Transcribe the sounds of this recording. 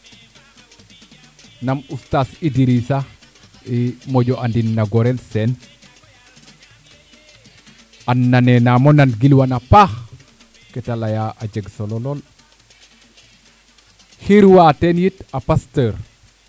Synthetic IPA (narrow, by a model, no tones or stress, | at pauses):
namustasidiɾisa | imoɟoʔandinːaɡɔɾelsen | anːanenamonanɡilwanapax | kɛtalajaad͡ʒeɡsololol | hiɾwatenjitapastəɾ